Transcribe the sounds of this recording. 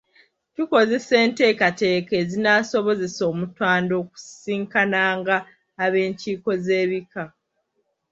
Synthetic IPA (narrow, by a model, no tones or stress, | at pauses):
tuko̞ze̞se̞ːnte̞ːkate̞ːke̞ːzinaso̞βo̞ze̞so̞ːmutwaːndo̞ːku̥siːŋkanaːŋɡaː | βe̞ːɲciːko̞ze̞ːβika